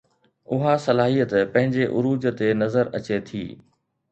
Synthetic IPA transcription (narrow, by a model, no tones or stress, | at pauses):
ʊɦasɐlaːɦijət̪pɐ̃ɦɪ̃ɲd͡ʑeʔʊɾuːd͡ʑt̪enɐzəɾɐt͡ɕet̪ʰḭː